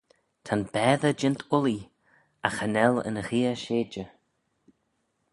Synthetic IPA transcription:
t̪ʰanbɛːðəd͡ʒɪnt̪ʰʊli | axanɛlə̰nəxiːəʃeːd͡ʒə

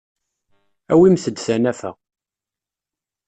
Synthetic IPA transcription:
æwimθəd̪sænæfæ̰

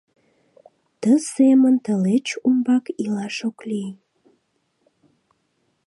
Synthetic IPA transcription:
t̪əsemənt̪əlet͡ɕumbɑkilɑʃokli

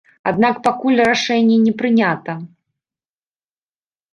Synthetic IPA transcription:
a̰d̪̚nakpakulʲraʂɛnʲːɛnʲɛpɾɨnʲat̪ɐ

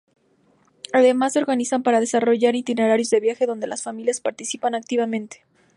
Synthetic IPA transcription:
aðe̞masːeo̞ɾɣanisampaɾaðe̞saro̞ʝaɾit̪ine̞ɾaɾjo̞zðe̞βjaxe̞ðo̞nd̪e̞lasfamiljaspaɾt̪isipanak̚t̪iβamẽ̞nt̪e̥

